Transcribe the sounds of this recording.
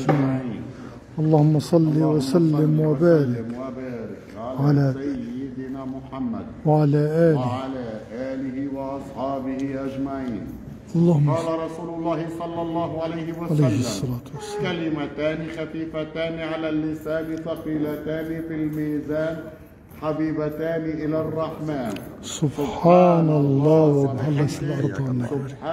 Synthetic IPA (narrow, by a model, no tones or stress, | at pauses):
miː | ʔɑlˤːɑːhʊmːɑsˤɑlːiwasalːɪmwɪbaːɾɪkwabaːɾɪkʕalʕalaaːɪd̪ɪnaːmʊħamːa̰d̪̚wʕalaʔaːlɪʕalaʔaːlɪhɪwɑʔɑsˤħɑːbɪhɪʔad͡ʒmaʕiːn | ʔɑlˤːɑːhʊmːɑːlaɾˤɑsuːlʊlːɑːhɪsˤɑlːɑlˤːɑːhʕalajhɪwaʕalajhːsˤːɑlaːt̪wasːakalɪmat̪aːnixafiːfat̪aːniʕalaːlːɪsaːnɪθɑqiːlat̪aːnifilmiːzaːn | ħabiːbat̪aːniʔɪlarˤːɑħmaːn | sʊbħaːnɑlˤːɑːwɪbħalːasɪlʔɑɾˤd̪ˤɑʕanːabɾi